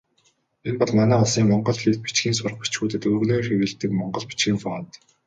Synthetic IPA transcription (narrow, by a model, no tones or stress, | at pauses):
enpɔɮmanæːɔɮsiːŋmɔɴɢɞ̆ɮɮiːt̪̚pi̥t͡ɕxiːns̬ʊr̆χpi̥t͡ɕxuːt̪ɘ̆t̪ɵːrnoːxewɘ̆ɮt̪ɘ̆kmɔɴɢɞ̆ɮpi̥t͡ɕxiːŋfɔːnt̪